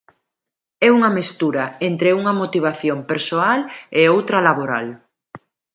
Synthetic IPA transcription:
ɛuŋɐmest̪uɾɐent̪ɾeuŋɐmot̪iβ̞aθjompeɾsoaleowt̪ɾɐlaβoɾa̰l

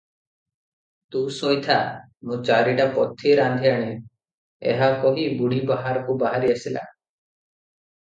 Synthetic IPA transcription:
t̪ũsojt̪ʰa | mũt͡ʃaɾiʈapɔt̪ʰːiɾand̪ʱiaɽ̃e | ḛɦakɔɦibuɽ̤ibaɦaɾɔkubaɦaɾiasila̰

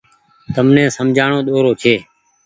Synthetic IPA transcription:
t̪əmnẽːsəmd͡ʒʱaːɳoːɗ̪oːɾoːt͡ʃʰeː

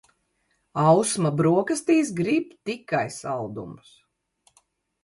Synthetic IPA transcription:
awsmabɾuɔkɐst̪iːs̬ɡɾib̚t̪ikajsa̰lˠd̪ṵms

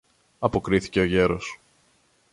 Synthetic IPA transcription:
ɐpo̞kɾiθi̥ce̞o̞ʝe̞ɾo̞s

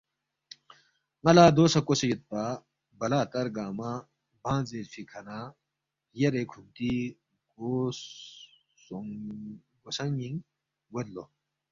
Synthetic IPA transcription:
ŋɐlaːd̪oːsɐkosɐjut̪̚pa | bɐlaːt̪ɐɾɡaːma | bʱãːnzeɾfikʰɐnaː | jɐɾekʰunt̪i | ɡos | oŋ | ɡosɐŋiŋ | wɐd̪lo

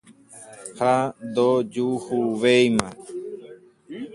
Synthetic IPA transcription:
hand̪od͡ʒuhuʋejmã

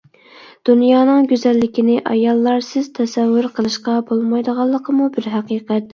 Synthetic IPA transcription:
d̪̥unjɑːnɨŋɡʲyzɛlːɪkʲinɪʔɑjɑlˠːɑɾsɨz̥t̪ʰɛsɛwːʊɾqʰəlˠɨʃqɑbolˠmɑjd̪əʁɑlˠːəqʰəmubɪɾɦæqiːqɛt̪

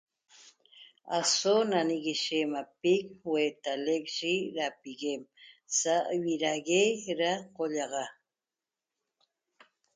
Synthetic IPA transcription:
a̰sonaniɣiʃemapik̚weːt̪alek̚ʃiɾapiɣemsaʔwiɾaɣeɾaqoʎɑʁɑ

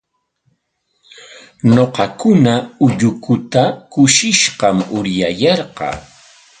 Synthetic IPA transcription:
noqɑkʊnaʊʎʊkʊt̪akʊʃɪʃɢɑmʊɾjajɑɾɢɑ̰ː

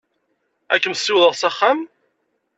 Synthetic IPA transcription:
æ̰kːəmsːiwðəʁsæχːam

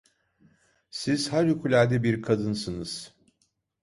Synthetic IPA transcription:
siz̥haɾukʰulʲæɾd̪ɛbiɾkʰad̪ɯnsɯnɯz̥

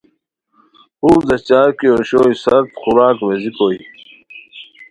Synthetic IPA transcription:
uːɾd̪ɐst͡ɕaːɾkioɕoːisɐɾt̪xuɾaːkʋezikoːj

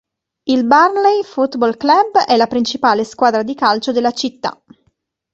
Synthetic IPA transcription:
ilbarlɛjfut̪bɔlklabɛlːapɾint͡ʃipaːleskwaːd̪ɾad̪ikalt͡ʃod̪elːat͡ʃit̪ːa̰

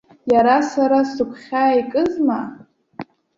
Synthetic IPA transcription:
jaɾasaɾasɨkʷʰχʲaːikʼɨzma

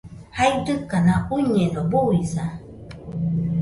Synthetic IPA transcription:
hajdɯkanauɲenobuisa

